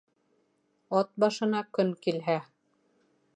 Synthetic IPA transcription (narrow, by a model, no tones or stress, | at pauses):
ɒt̪̚bɑʃɤ̆nɑkɵŋkilɦæ